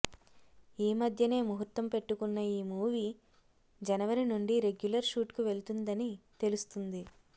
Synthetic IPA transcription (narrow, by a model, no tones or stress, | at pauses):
iːmɐd̪ʱjɐne̞ːmuɦut̪ːɐmpe̞ʈːukunːɐiːmuːʋi | d͡ʒɐnɐʋɐɾinuɳɖiɾe̞ɡjulɐɾʃuːʈkuʋe̞ɭt̪und̪ɐnit̪e̞lust̪und̪i